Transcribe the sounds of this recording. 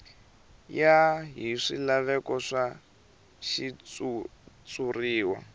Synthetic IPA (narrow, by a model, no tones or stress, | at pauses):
jaɦiʂilaβɛkɔʂa | ʃiut͡suriːwa̰